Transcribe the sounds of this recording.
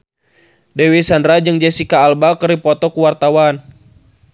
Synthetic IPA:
dɛwisandɾad͡ʒɨŋd͡ʒɛsikaːlbakəɾipɔt̪ɔkuwart̪awan

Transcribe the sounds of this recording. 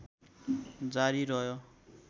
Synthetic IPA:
d͡zaɾiɾʌɦjo

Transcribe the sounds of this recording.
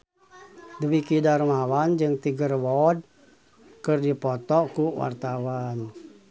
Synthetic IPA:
dəwikidarmawand͡ʒɨŋt̪iɡərwɔd̚ | kɨrdipɔt̪ɔkuwa̰rt̪awan

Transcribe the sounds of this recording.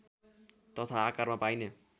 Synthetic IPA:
t̪ʌt̪ʰaːkarmapajne

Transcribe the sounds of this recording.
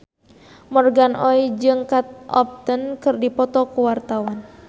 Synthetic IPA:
mɔrɡanʔɔid͡ʒɨŋkat̪̚ɔ̰p̚t̪ənkɨrdipɔt̪ɔkuwart̪awan

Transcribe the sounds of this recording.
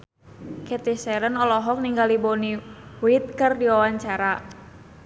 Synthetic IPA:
kɛt̪isɛɾənɔlɔɦɔk̚niŋɡaliboniwit̪̚kɨrdiwawaɲt͡ʃaɾa

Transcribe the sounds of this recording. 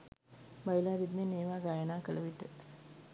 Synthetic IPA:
bajilaːɾid̪meneːʋaːɡajənaːkələʋiʈ̪ə

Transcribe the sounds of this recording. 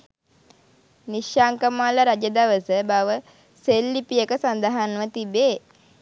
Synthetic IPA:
niʃjaːŋkəmaːləɾad͡ʒəd̪aʋəsəbaʋə | selːipijəkəsand̪aɦanʋət̪ibeː

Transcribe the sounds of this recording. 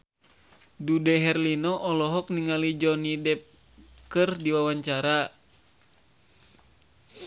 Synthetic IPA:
dudɛɦɛrlinɔʔɔlɔɦɔk̚niŋalid͡ʒɔnidɛp̚ | kɨrdiwawaɲt͡ʃaɾa

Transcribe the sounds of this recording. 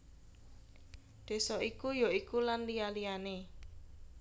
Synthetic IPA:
d̪̥e̤sɔʔikujoikulanlijalijane

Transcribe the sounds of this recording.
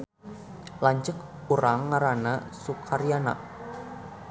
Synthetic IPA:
laɲt͡ʃək̚ | uɾaŋːaɾanasukʰaɾiana̰ʔ

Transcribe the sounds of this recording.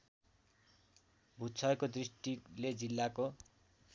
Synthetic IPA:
bʱutt͡sʰʌjkod̪risʈiled͡zilːako

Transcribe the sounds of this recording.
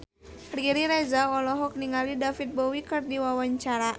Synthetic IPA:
rɛɾiɾezaɔlɔɦɔk̚niŋalidafit̪̚bɔwikɨrdiwawaɲt͡ʃaɾa

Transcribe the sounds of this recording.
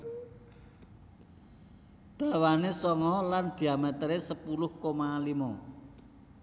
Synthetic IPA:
d̪̥a̤wanesɔŋɔland̪̥i̤amət̪əɾesəpulʊhkomalimɔ

